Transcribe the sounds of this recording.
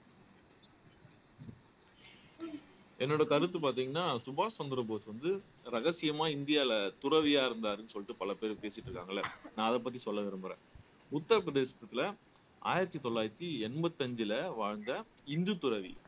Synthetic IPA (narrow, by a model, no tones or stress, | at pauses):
ɛnːoːɽɐkɐɾɯt̪ːɯpaːɾt̪̬iːŋɡɐnːaːsʊbaːsɐnd̪ɪɾɐboʋɐsʋɐnd̪ɯ | ɾɐɣɐsɪjɐmaːɪnd̪ɪjaːɪlɐt̪ʊɾɐʋɪjaːɪɾɯnd̪aːɾɯnːɯsɔlːɪʈːɯpɐlɐpeːɾpeːsɪʈːɾɯkːaːŋɡɐlːɐnãːɐðɐpːɐt̪ːisɔlːɐʋɛɾɐmbɯɾḛ̃ː | ʊt̪ːɐɾpɾɐðeːsɐ̥t̪ːɐt̪ːɪlɐ | a̰ːjɪɾɐt̪ːit̪ɔɭːaːjɪɾɐt̪ːiɛnbɐt̪ːɐɲd͡ʒɪlɐʋaːɻnd̪ɐɪnd̪ɯt̪ʊɾɐʋḭ